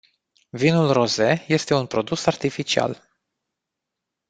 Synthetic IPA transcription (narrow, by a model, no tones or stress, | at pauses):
vinulro̞ze̞je̞st̪e̞unpɾo̞d̪usart̪ifit͡ʃia̰l